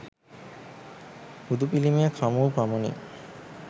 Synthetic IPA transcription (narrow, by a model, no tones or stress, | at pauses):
ud̪upilimiakʰamopamonḭ